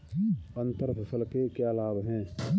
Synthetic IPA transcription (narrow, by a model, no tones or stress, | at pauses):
ə̃nt̪əɾpʰɐsəlkekjaːlaːbɦɛ̃ː